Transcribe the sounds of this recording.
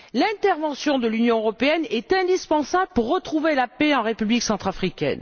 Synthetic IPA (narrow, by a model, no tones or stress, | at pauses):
lɛ̃t̪ɛʁvɑ̃sjɔ̃d̪əlynjɔ̃øʁɔpeɛnɛt̪ɛ̃d̪ispɑ̃sabləpuʁːət̪χuvelapeɑ̃ʁepybliksɑ̃t̪χafχikʲɛ̰n